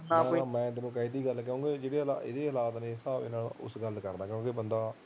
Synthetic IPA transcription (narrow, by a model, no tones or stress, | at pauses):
nãimɛ̃ːt̪ɪnõːkaid̪iːɡəlkɛõːɡeːd͡ʒeːɽeːla̰ɪd̪eːəlaːt̪nẽːsaːbɪ̰naːlʊ̰sɡəlkəɾd̪aːkjõːkeːbənd̪aː